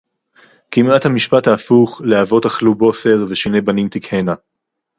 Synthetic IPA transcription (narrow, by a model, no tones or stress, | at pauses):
kimathamiʃpathaːfuχleavo̞taχlubo̞se̞ʁveʃine̞banimt̪ikhena